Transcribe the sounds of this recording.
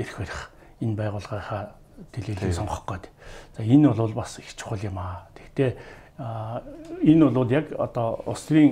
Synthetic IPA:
eɾxæɾʲɪ̆χ | enpæːʁʊːɮʁaːχaː | t̪ʰeɮeːiːsɔɴχɞ̆χɢœːt̪ːt͡saenʊɮʊːɮpasext͡ɕʰɪ̥̆χə̆ɮjɪmaːt̪ʰe̥kt̪eː | enʊɮʊːɮjakɔ̰t̪ɔʊ̰sriːŋ

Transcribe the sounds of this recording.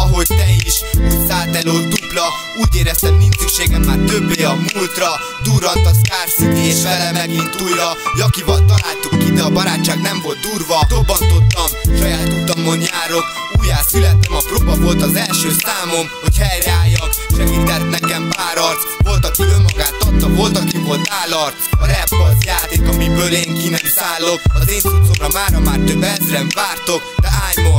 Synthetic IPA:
ɒɦo̞ɟt̪ɛiʃusaːt̪ɛloːd̪uplɒ | uːɟeːɾɛst̪ɛmːinsyʃeːɡɛmmaːrt̪ø̞bleːɒmult̪rɒ | d̪uːɾɒt̪ːɒskaːrsieːɛlɛmɛɡint̪uːjɾɒjɒkivɒlt̪ɒlaːlt̪ukːinɛɒbɒɾaːt͡ʃːaːɡnɛɱvo̞lt̪d̪uːrvɒobːɒnt̪o̞t̪ːɒmʃɒjaːt̪ut̪ɒmːoɲːaːɾo̞k | uːjaːsylɛt̪ːɛmɒproːbɒvo̞lt̪ɒzɛlʃøːsaːmo̞mho̞chɛjɾɛaːjːɒkʃɛɡiːt̪ɛt̪nɛkɛmpaːɾɒrt̪vo̞lt̪ɒkyømːɒɡaːt̪ːɒt̪ːɒvo̞lt̪ɒkivo̞lt̪aːlɒr | ɒɾɛpːɒzjaːt̪eːkɒmibøːleːŋkinɛmsaːlːo̞kɒzeːnsut̪somrɒmaːɾɒmaːrt̪øbɛzrɛɱvaːrt̪o̞kd̪ɛɦaːɲmo

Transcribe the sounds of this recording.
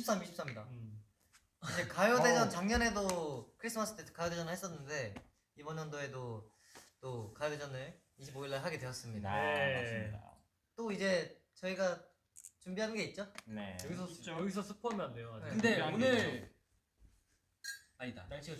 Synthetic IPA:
ips͈amiɕʰips͈amɲida | id͡ʑe̞kajode̞d͡ʑʌnt͡ɕaŋɲʌne̞dokʰɯɾis͈ʰɯmas͈ʰɯ̥tʰetʰkajoded͡ʑʌnɯɭhe̞s͈ʌnːɯnde̞ | ibʌɲʌndoe̞do | t͈okajode̞d͡ʑʌnɯɭ | iɕʰiboiɭːaɭɦaɡe̞dwe̞jʌs͈ɯmɲidasɲda | t͈oid͡ʑe̞t͡ɕʌiɡa | t͡ɕumbiɦanɯnɡe̞it̚t͡ɕ͈oneʌɡisʰʌʌɡis̬ʰʌsʰupʰʌmʌndejoneɯnde̞onɯɾ | aɲida̰taɕʰi

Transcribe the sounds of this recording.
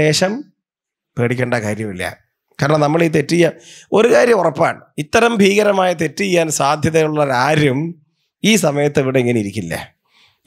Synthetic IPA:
e̞ːʂɐm | peːɽikʲːeːɳɖɐakaːɾjɐmilːɐ̰ | kaːɾɐɳɐmnɐmːɐɭiːt̪e̞tːijaːo̞ɾukaːɾjɐmurɐpːa̰ːɳit̪ːɐɾɐmbʱiːɣɐɾɐmaːjɐt̪̬e̞tːijːaːnsaːd̪ʱjɐðɐjuɭːɐɾaːɾum | iːsɐmɐjɐt̪ːeʋiɽeiŋːɐneiɾikʲːilːɐ̰

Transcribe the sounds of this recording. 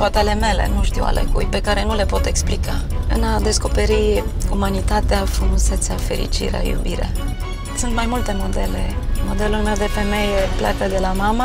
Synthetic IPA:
hot̪ele̞me̞lḛnuʃt̪iwa̰lḛkṵjpe̞kaɾe̞nule̞po̞t̪e̞ksplikaɨnad̪e̞sko̞pe̞ɾiumanit̪at̪eafɾumuse̞t̪safe̞ɾḭt͡ʃḭɾḛa̰jṵbiɾa̰ | sunt̪majmult̪e̞mo̞d̪e̞le̞mo̞d̪e̞lulme̞wd̪e̞fe̞me̞jeplʲja̰kəd̪e̞lamamə

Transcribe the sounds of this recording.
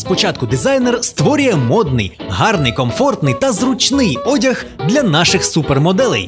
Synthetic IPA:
spɔt͡ʃɑt̪̚kʊd̪ɪzajnerst̪ʋɔɾʲʊjɛmɔd̪̚nɪ̰jɦɑrnɪjkɔmfɔrt̪nɪjt̪ɐzrʊt͡ʃnɪjɔdʲɐɣd̪lʲɐnɑʃɪxsupermɔd̪ɛlˠɛ̰j

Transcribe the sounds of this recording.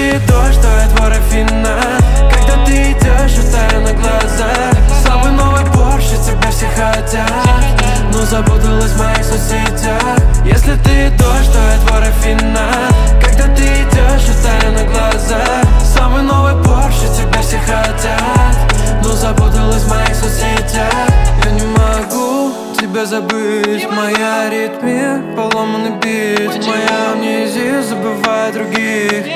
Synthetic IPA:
ɨt̪oʂt̪oɛt̪voɾɐfʲinːa | kaɡ̚d̪at̪ɨɪdʲeʐɨt̪ajɪnəɡlˠɐza | samɨnoɨjporʂɨtʲɪkɡ̚d̪afsʲexɐtʲa | t̪ | nozɐbud̪əlˠəsʲmɐjixsʊsʲitʲa | xjesʲlʲɪt̪ɨt̪oʂt̪oɛt̪voɾɐfʲinnːa | kaɡd̪at̪ɨɪdʲeʐɨt̪ajɛnəɡlˠɐza | samɨjnovɨjporʃɪtʲɪbʲeɾʲsʲɪxɐtʲat̪nozɐbut̪əlˠəsʲmɐjixsɐzʲitʲaxjanʲɪmɐɡu | tʲɪbʲazɐbɨtʲmɐjaɾʲit̪mʲɪpɐlˠomənɨbʲit̪ʲmɐjamnʲizʲɪjuzəbɨvajd̪ɾʊɡʲix

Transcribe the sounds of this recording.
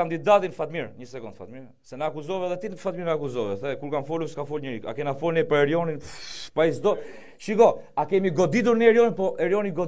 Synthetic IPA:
and̪id̪at̪infat̪miɾɲəsɛkund̪fa̰t̪miɾ | sɛnəakuzɔvɛðɛt̪infat̪miɾnakuzɔvɛθɛkuɾkamfɔluskafɔlɲəɾika̰kɛinafɔlnipəɾɛɾjɔninpaisd̪ɔ | ʃiɡɔakɛmiɡɔd̪it̪̬uɾniɛɾjɔninpɔʔɛɾjɔniɡɔ

